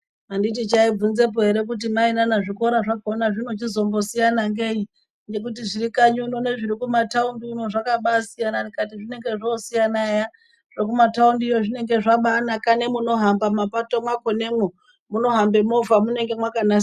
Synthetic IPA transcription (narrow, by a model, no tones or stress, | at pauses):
mandit̬it͡ʃaib͡vunze̞p̬o̞ɦe̞ɾe̞k̬ut̬imainanaʐikoɾaʐakaonaʐinot͡ʃizo̞mbo̞sijanaŋɡei | nd͡ʒe̞k̬utiʐiɾikaɲunone̞ʐiɾikumataundiuno̞ʐakaɓasijananikatiʐine̞ŋɡe̞ʐosijanaja | ʐok̬umataundijoʐine̞ŋɡe̞ʐaɓanakane̞muno̞ɦambamapatomwakone̞mo | muno̞ɦambe̞mo̞vamune̞ŋɡe̞mwakanas